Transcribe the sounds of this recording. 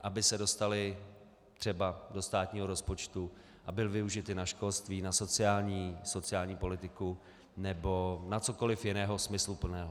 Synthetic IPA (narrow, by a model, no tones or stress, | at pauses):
ʔabɪsɛdo̞st̪alɪ | t̪r̝̥ɛbado̞st̪aːt̪ɲiːɦo̞ɾo̞spo̞t͡ʃt̪u | ʔabɪlɪvɪuʒɪt̪ɪnaʃko̞lst̪viːnaso̞t͡sɪaːlɲiːso̞t͡sɪaːlɲiːpo̞lɪt̪ɪku | nɛbo̞nat͡so̞ko̞lɪfjɪnɛːɦo̞smɪslupl̩nɛːɦo